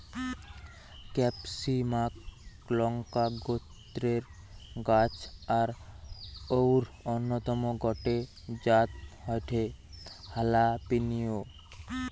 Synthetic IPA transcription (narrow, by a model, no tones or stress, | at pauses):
kɛpsimak | lɔŋkaɡot̪ɾeɾ | ɡat͡ɕaɾ | owɾonːot̪ɔmoɡɔʈe | d͡ʑat̪̚hɔjʈʰe | halapinijo